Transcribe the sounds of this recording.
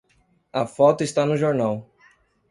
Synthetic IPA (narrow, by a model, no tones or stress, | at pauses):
ɐfɔt̪ʊɪst̪anʊʒoɾnaw